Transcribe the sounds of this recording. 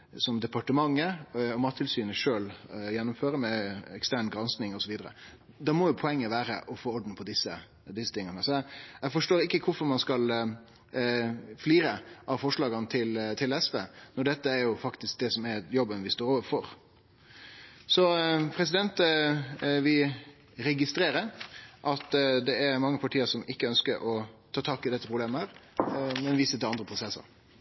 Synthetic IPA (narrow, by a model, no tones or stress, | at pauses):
sɔmd̪ɛpɑʈəmɑŋːəɔmɑːt̪ʰːɪlsyːnəʂøːljɛnːʊmføːɾəmɛɛkst̪æɳɡɾɑnsnɪŋɔsɔʋiːd̪əɾə̰ | d̪ɑːmɔjʊpʰɔɛŋːəʋæːɾə̰ʔɔfoːɔɖ̪n̩pʰɔd̪ɪsːə̰ | d̪ɪsːət̪ʰɪŋːənəsɔɛɛɡfɔʂʈoːɾɪkːəkʰʊfɔɾmɑnskɑl | fliːɾəʔɑʋfɔʂɭɑːɡənət̪ʰɪlt̪ʰɪlɛsʋeːnɔɖɛt̪ːəæɾjʊfɑkt̪ɪsk̚d̪ɛsɔmæɾjɔbənʋɪst̪oːɾoːʋəɾfɔɾ | sɔpʰɾɛsɪd̪ɛnt̪ | ʋɪ | ɾɛɡɪst̪ɾeːɾəɾʔɑt̪d̪ɛæɾmɑŋːəpʰɑʈʰiːəɾsɔmɪkːəœnskəɾʔɔt̪ʰɑːt̪ʰɑːkɪd̪ɛt̪ːəpʰɾʊbleːməhəɾmɛnʋiːsət̪ɪlɑnd̪ɾəpʰɾʊsɛsːə̰ɾ